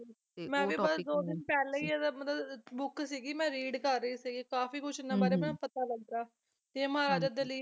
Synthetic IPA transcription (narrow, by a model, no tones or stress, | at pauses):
mɛ̃ːʋiːbəsd̪oːd̪ɪnpɛːleiːd̪amət̪ləbbʊksiːɡiːmɛ̃ːɾiːɖkəɾːəiːsiːɡiːkaːfiːkʊt͡ʃɪnãːbaːɾeːmɛ̃ːpət̪aːləɡɾaː | t̪eẽməɦaːɾaːd͡ʒaːd̪eːləː